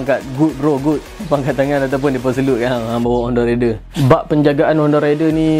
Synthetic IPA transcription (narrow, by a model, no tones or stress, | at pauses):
ŋkat̪̚ɡut̪̚bəɾɔɡut̪̚paŋkat̪t̪ːaŋãnat̪awp̬ʊndipəs̬əluʔ̚kaabawaɔndɔredəbaʔpəɲd͡ʒaɡaʔanɔndɔɾedəni